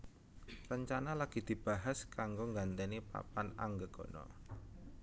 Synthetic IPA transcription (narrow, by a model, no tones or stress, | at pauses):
rəɲt͡ʃanalaɡ̥i̤d̪̥i̤b̥a̤ɦaskaŋɡoŋɡant̪enipa̰pana̰ŋɡəɡ̥o̤nɔ̰